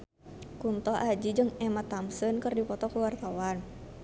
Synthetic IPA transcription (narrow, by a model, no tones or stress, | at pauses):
kunt̪ɔʔad͡ʒid͡ʒɨŋɛmat̪amsənkɨrdipɔt̪ɔkuwart̪awan